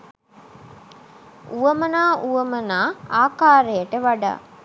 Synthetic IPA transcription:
uʋəmənaːʔuʋəmənaːaːkaːɾəjəʈəʋaɖa̰ː

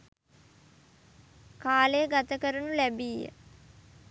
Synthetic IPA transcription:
kaːlejəɡat̪əkəɾənulæbijə̰

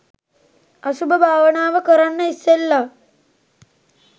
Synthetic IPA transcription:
asubəbʱaːʋənaːʋəkəɾanːəisːelːa

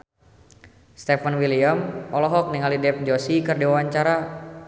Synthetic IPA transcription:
st̪ɛfanwiliamɔlɔɦɔk̚niŋalidɛp̚d͡ʒɔsikɨrdiwawaɲt͡ʃaɾa

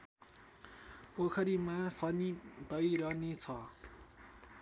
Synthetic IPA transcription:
okʰʌɾimasʌnid̪ʌjɾʌnet͡sʰʌ

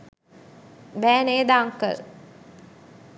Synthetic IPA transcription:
bæːneːd̪aːŋkə̰l

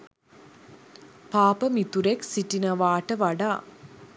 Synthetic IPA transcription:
paːpəmit̪uɾeksiʈinəʋaːʈəʋaɖaː

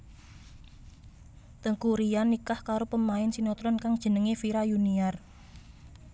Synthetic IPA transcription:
t̪əŋkuɾianːikahkaɾopəmaɪnsinɔt̪ɾɔnkaŋd̥ʒ̥ə̤nəŋefiɾajuniar

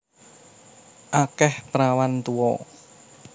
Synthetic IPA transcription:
ʔakɛhpɾawant̪uwɔ̰

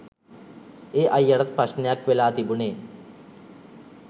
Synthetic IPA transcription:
eːʔɐjːɐɽɐt̪pɐʂnjaːkʋelaːt̪ibuɳeː

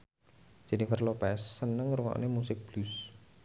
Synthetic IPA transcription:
d͡ʒ̥ɛ̤nifərlopɛsːənəŋruŋɔ̰ʔnemusɪk̚b̥lus

